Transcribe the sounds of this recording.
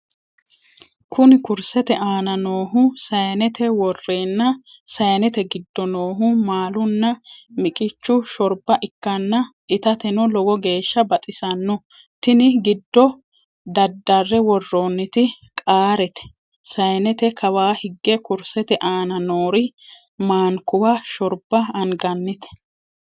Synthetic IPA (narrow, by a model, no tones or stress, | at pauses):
kʰʊnɪkʊɾsɛt̪ɛʔaːnɐnoːɦʊsɐjɐnɛt̪ʰɛwɔrːe̞ːnːɐsɐjɐnɛt̪ɛɡɪd̪ːɔnoːɦʊmaːlʊnːɐmɪkʼɪt͡ʃːʊʃɔɾbɐʔɪkːɐnːɐʔɪt̪ɐt̪ɛnɔlɔwɔɡe̞ːʃːɐbɐt̪ʼɪsɐnːɔ | t̪ɪnɪɡɪd̪ːɔ | d̪ɐd̪ːɐrːɛwɔrːoːnːɪt̪ɪ | kʼaːɾɛt̪ɛ̥ | sɐjɐnɛt̪ɛkʰɐwaːhɪɡːɛkʊɾsɛt̪ɛʔaːnɐnoːɾɪ | maːŋkʊwaʃɔɾb̥ɐɐŋɡɐnːɪt̪ɛ̥